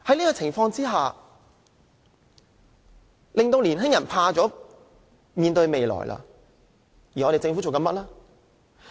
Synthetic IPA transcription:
hɐ˨˥jniː˥kɔː˧t͡sʰɪ˨˩ŋfɔː˧ŋt͡siː˥ɦaː˨ | lɪ˨˩ŋt̪o˧wliː˨˩nɦɪ˥ŋjɐ˨˩npʰaː˧t͡sɔː˨˥ | miː˨˧nt̪ɵ˧ɥme˨jlɔ̰ː˨˩jlʔa̰˧ | ji˨ɔː˨˧e˨jt͡sɪ˧ŋft͡so˨wkɐ˧nmɐ˦˥t̚laː˥

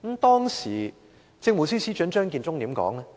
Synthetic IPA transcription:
m̩˨˥t̪ɔː˥ŋsḭː˨˩ | t͡sɪ˧ŋmu˨˩siː˥siː˥t͡ʃœ˨˥nt͡ʃœː˥ŋkiː˧nt͡sʊ˥ŋt̪iː˨˥mkɔ̰ː˨˥ŋlɛ˦˥

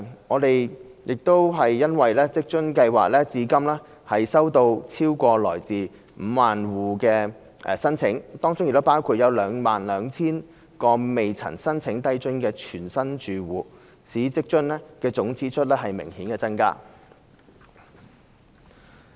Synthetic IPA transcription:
ŋɔː˨˧t̪e˨jjɪ˨k̚t̪o˥wɦɐ˨jːɐ˥nwɐ˨jlɛː˥t͡sɪ˥k̚t͡ʃɵ˥nkɐ˧jwa̰ː˨k̚lɛː˥t͡siː˨˥kɐ˥mlɛː˥ | hɐ˨jsɐ˥wt̪o˧wt͡sʰiː˥wkʷɔː˧lɔ̰ː˨˩jt͡siː˨ | m̩ː˨˧maː˨nwuː˨kɛː˧ | ɛ˨sɐ˥nt͡sʰɪ˨˥ŋt̪ɔː˥ŋt͡sʊ˥ŋjk̚t̪paː˥wkʰuː˧t̚jɐ˨˧wlœː˨˧ŋmaː˨nlœː˨˧ŋt͡sʰiː˥n | kɔː˧me˨jt͡sʰɐ̰˨˩nsɐ˥nt͡sʰɪ˨˥ŋt̪ɐ˥jt͡ʃɵ˥nkɛː˧t͡ʃʰyː˨˩nsɐ˥nt͡ʃyː˨wuː˨ | siː˨˥t͡sɪ˥k̚t͡ʃɵ˥nlɛ˥kɛː˧t͡sʊ˨˥ŋt͡sʰiː˨˥t͡ʃʰɵ˥t̚lɛː˥ɦɐ˨jmɪ̰˨˩ŋhiː˨˥nkɛː˧t͡sɐ˥nka̰ː˥

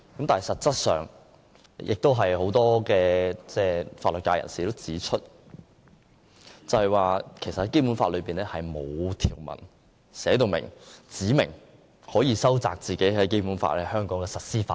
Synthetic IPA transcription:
kɐ˨˥mt̪aː˨nhɐ˨jsɐ˨t̚t͡sɐ˥t̚sœ̰ː˨ŋ | jɪ˨k̚t̪o˥wɦɐ˨jho˨˥wt̪ɔː˥kɛː˧t͡sɛː˥˧faː˧tlt̚kːaː˧jɐ̰˨˩nsiː˨t̪o˥wt͡siː˨˥t͡ʃʰɵ˥t̚ | t͡sɐ˨whɐ˨jwaː˨˧kʰe˨˩sɐt̚hɐ˨˦jke˥jpuː˨˥nfa̰ː˧t̚lɵ˨˧piː˨nɛː˥hɐ˨jmo˨˧wt̪ʰiː˨˩wmɐ̰˨˩n | sɛː˨˥t̪o˨˧wmɪ̰˨˩ŋt͡siː˨˥mɪ̰˨˩ŋ | hɔː˨˥jiː˨˧sɐ˥wt͡sa̰ː˨k̚t͡siː˨ke˨˥jhɐ˨˥jke˥jpuː˨˥nfa̰ː˧tlɛ˥hœː˥ŋkɔː˨˥ŋɛː˧sɐ˨˩t̚siː˥fa̰ː˧˥

